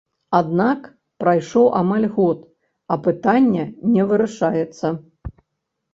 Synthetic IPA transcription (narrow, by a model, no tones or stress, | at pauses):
ad̪nak | pɾajʂɔwʔamalʲɣɔt̪ | ɐpɨt̪anʲːɛnʲɛvɨɾaʂajɛt̪sːɐ